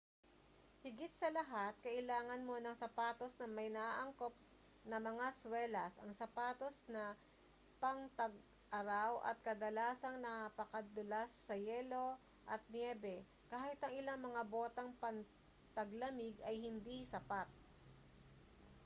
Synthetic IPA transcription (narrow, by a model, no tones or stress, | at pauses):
hɪɡɪt̪̚sɐlɐɦat̪̚kɐʔɪlaːŋɐnmo̞nɐŋsɐpaːt̪o̞snɐmɐjnɐʔaʔɐŋkop̚ | nɐmɐŋaswɛlɐsɐŋsɐpaːt̪o̞snɐ | pɐŋt̪ɐɡ̚ | ʔɐɾawʔɐ̰t̪̚kɐd̪ɐlaːsɐŋnɐapɐkɐd̪ʊlasːɐjɛːlo̞ | ʔɐt̪̚njɛːbɛ | kaːhɪt̪ɐŋɪlaŋmɐŋabo̞ːt̪ɐŋpɐŋ | t̪ɐɡlɐmɪɡɐjhɪnd̪isɐpat̪̚